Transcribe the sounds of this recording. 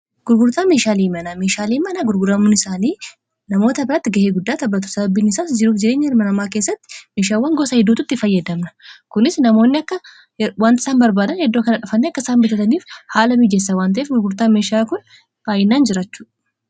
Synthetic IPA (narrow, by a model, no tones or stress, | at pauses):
ɡ̥ʊɾɡʊɾt̪aːme̞ːʃaːliːmɐnɐmeːʃaːliːmɐnɐɡʊɾɡʊɾɐmʊnɪsaːniː | nɐmo̞ːt̪ɐbɪɾɐt̪ːɪɡɐheːɡʊd̪ːaːt̪ɐbːɐt̪ːʊ̥sɐbɐbːiːnɪsaːsd͡ʒɪɾuːfd͡ʒɪɾe̞ːɲːɐɪɾmɐnɐmaːkeːsːɐt̪ːɪ̥me̞ːʃaːwːɐŋɡɔsɐhɪd̪uːt̪ʊɪt̪ːɪfɐjːɐd̪ɐmnɐ̥kʊnɪsnɐmo̞ːnːɪɐkːɐ | want̪ɪ̥saːnbɐɾbaːd̪ɐnhɛd̪ːo̞ːkɐnɐᶑɐfɐnːeɐkːɐɪsaːmbɪt̪ɐt̪ɐniːfhaːlɐmiːd͡ʒes̬ːɐwaːnt̪̬ɐʔeːfɡʊɾɡʊɾt̪aːnmeːʃaːkʊn | b̥aːjɪnːaːnd͡ʒɪɾaːt͡ʃːu̥ːᶑɐ̥